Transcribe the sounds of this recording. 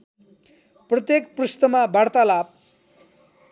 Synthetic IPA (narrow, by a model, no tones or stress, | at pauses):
prʌt̪jekprust̪ʌmabʱart̪alab̚